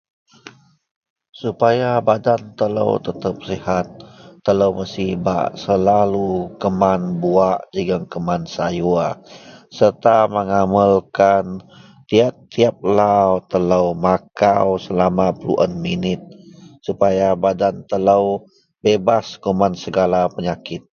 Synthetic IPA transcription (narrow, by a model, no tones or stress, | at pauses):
supajabadant̪ələ̰wt̪ət̪əp̚sihat̪̚ːələwməsiba̰ʔsəlalukəmanbuaʔd͡ʒəɡəŋkəmansajuasərt̪aməŋaməlkan | t̪iat̪ːiap̚lawt̪ələwmakawsəlamapəlṵʔə̰nminɪt̪̚supajabadant̪ələw | bebaskumansəɡalapəɲakɪt̪̚